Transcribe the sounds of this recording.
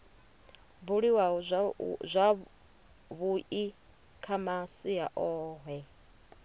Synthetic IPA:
buɺiwa | zʷa | βuʔi | kʰamasijaʔɔːɦɛ

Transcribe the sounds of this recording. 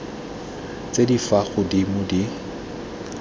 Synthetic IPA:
t͡sʼedifaɣʊdimʊdi

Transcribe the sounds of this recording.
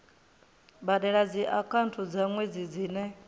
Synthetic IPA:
baɗɛɺad͡ziʔakʰantʰud͡zaŋwed͡zid͡ziːnɛ

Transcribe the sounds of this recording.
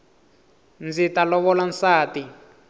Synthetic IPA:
nd͡zitalɔβɔlansaːti

